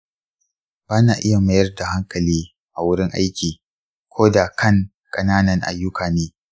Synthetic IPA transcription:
b̥aː˦naː˨ʔɪ˦ja˨mɐ˦jɐ˦rda˨ha˦ŋkɐ˨liː˦ | ʔa˨wʊ˦ɽɪ˦ŋʔa̰˦jkʲiː˨ | kʷʰoː˦da˨kɐ˦˨ŋ | kʼɐ˨naː˦nɐ˨ŋʔa̰˨jːʊ˦kʰaː˨neː˦

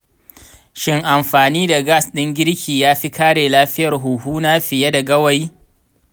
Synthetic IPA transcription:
ʃɪ˦ŋʔa˨mɸaː˨niː˦da˨ɡa˦sɗɪ˦ŋɡʲɪ˦ɽkʲʰiː˨jaː˦ɸi˦kaː˦ɽeː˨laː˦ɸɪ˦jɐ˨rɦuː˨ɦuː˦naː˦ɸɪ˨ja˦da˨ɡɐ˦wa˦˨j

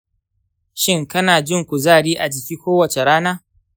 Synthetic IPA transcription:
ʃɪ˦ŋkɐ˦naː˨d͡ʒɪ˦ŋkʷu˨zaː˦˨ɽiː˦ʔa˨d͡ʒɪ˨kʲiː˦kʷoː˦wɐ˨t͡ʃe˨ɽaː˦naː˦

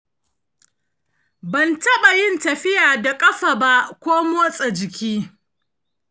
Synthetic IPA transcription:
bɐ˨ntɐ˦ɓa˨jɪ˦ntɐ˨ɸɪ˦jaː˨da˨kʼɐ˦ɸa˨ba˦ʔkʷoː˦moː˦sʼɐ˨d͡ʒɪ˨kʲiː˦

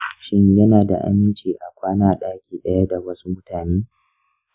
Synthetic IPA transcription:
ʃɪ˦ɲjɐ˦naː˨da̰˨ʔa̰˦mɪ˦nt͡ʃi˨ʔa˨kʷaː˦naː˨ɗaː˦kʲiː˨ɗɐ˦ja˦da˨wɐ˦su˦mʊ˦taː˨neː˦

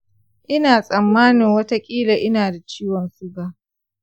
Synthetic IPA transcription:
ʔɪ˦naː˨sʼɐ˨mːaː˦nɪ˨ŋwɐ˦ta˦kʲʼiː˦la˨ʔɪ˦naː˨da˨t͡ʃiː˦wɔ˨nsʊ˦ɡaː˨

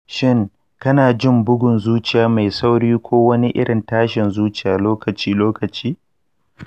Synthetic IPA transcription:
ʃɪ˦ŋ | kɐ˦naː˨d͡ʒɪ˦˨mbʊ˦ɡʷʊ˨nzuː˦t͡ʃɪ˨jaː˨ma˨jsa˦wɽiː˦kʷoː˦wɐ˦ni˦ʔɪ̰˦ɽɪ˨ntaː˦ʃɪ˨nzuː˦t͡ʃɪ˨jaː˨loː˦kɐ˨t͡ʃiː˦loː˦kɐ˨t͡ʃiː˦

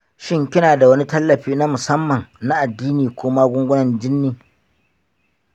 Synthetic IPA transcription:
ʃɪ˦ŋkʲɪ˦naː˨da˨wɐ˦ni˦tɐ˦lːɐ˨ɸiː˦na˦mʊ˨sɐ˦mːɐ˨ŋna˦ʔa˨dːiː˦niː˨kʷoː˦maː˦ɡʷʊ˦ŋɡʷʊ˦nɐ˨nd͡ʒɪ˦nːiː˦

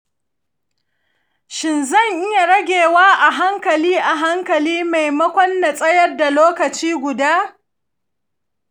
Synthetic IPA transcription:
ʃɪ˨nzɐ˦˨ŋʔɪ˦ja˨ɽɐ˦ɡʲeː˨waː˦ʔa˨ɦa˦ŋkɐ˨liː˦ʔa˨ɦa˦ŋkɐ˨liː˦ma˨jmɐ˦kʷɔ˦nːa˨sʼɐ˦jɐ˦rda˨loː˦kɐ˨t͡ʃiː˦ɡʷʊ˨daː˦

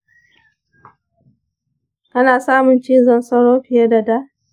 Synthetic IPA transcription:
ʔɐ˦naː˨saː˦mʊ˨nt͡ʃi˦zɐ˦˨nsɐ˦ɽoː˦ɸɪ˨ja˦da˨da˦

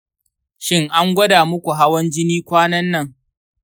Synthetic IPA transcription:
ʃɪ˦ŋʔa˦ŋɡʷɐ˦daː˨mʊ˦kʷu˨ɦa˦wɐ˦nd͡ʒɪ˦niː˦kʷaː˦nɐ˦nːɐ˦˨ŋ

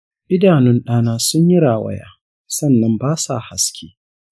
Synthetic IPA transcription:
ʔɪ˦daː˨nʊ˦nɗaː˦naː˦sʊ˦ɲji˦ɽaː˨wɐ̰˦ja̰ː˦ | sɐ˦˨nːɐ˦mbaː˦sa̰˨ha˨skʲeː˦

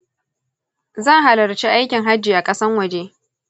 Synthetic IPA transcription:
za˦˨ɦa˨lɐ˨ɾt͡ʃi˦ʔa˦jkʲɪ˨ŋɦa˦d͡ʒiː˨ʔa˨kʼɐ˦sɐ˦ŋwɐ˨d͡ʒe˦

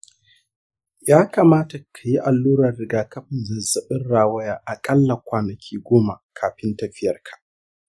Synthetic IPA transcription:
jaː˦kaː˨maː˦ta˨kʰa˨ji˦ʔa˨lːuː˦ɾɐ˨rːɪ˨ɡaː˦kɐ˦ɸɪ˨nzɐ˨zɐ˨ɓɪ˦nɽaː˦wɐ˦jaː˦ʔa˨kʼɐ˦lːa˨kʷaː˨nɐ˨kʲʰiː˦ɡʷoː˦ma˨kʰaː˨ɸɪ˦ntɐ˦ɸɪ˦jɐ˨rkʰḁ˨ʔ

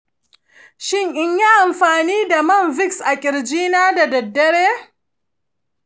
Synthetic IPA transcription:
ʃɪ˦˨ŋʔɪ˦ɲja˦ʔa˨mɸaː˨niː˦da˨mɐ˦˨nvɪ˦ksʔa˨kʲʼɪ˨ɽd͡ʒiː˦naː˦da˨dɐ˨dːɐ˦ɽeː˦

